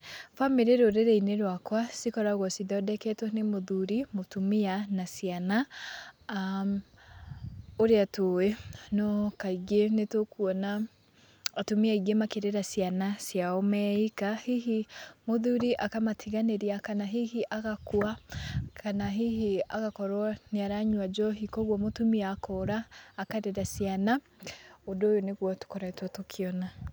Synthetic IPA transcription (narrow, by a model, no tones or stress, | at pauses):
fameɾeɾoɾeɾɛineɾwakwasikɔɾaɣwɔsiðɔdɛkɛtwɔnemoðuɾimotumianasiana | oɾeatoenɔkaiɣenetokuɔna | atumiaiɣemakeɾeɾasianasjaɔmɛikahiɦimoðuɾiʔakamatʰiɣaneɾiakanaɦihiʔaɣakwakʰanaɦiɦiaɣakɔɾwaneaɾaɲwad͡ʒɔɦikɔɣwɔmotumiakɔɾaːkaɾeɾasjana | odojoneɣwɔtu̥kɔɾɛtwɔtokʰeɔna